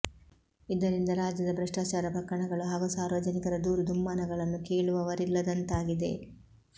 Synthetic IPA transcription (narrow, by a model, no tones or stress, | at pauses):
id̪ɐɾind̪ɐɾaːd͡ʒjɐd̪ɐbɾɐʂʈaːt͡ʃaːɾɐpɐkɾɐɳɐɡɐɭuɦaːɡusaːɾʋɐd͡ʒɐnikɐɾɐd̪uːɾud̪umːaːnɐɡɐɭɐnːukeːɭuʋɐʋɐɾilːɐd̪ɐnt̪aːɡid̪e̞̰